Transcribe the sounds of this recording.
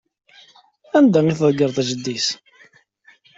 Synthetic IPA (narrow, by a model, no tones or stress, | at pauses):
ænd̪æiθəðˤɡəɾˤθæʒəd̪ːis